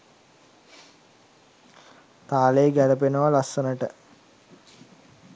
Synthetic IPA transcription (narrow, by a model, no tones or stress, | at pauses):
t̪aːleeɡæɾəp̬enəʋalasːənəʈə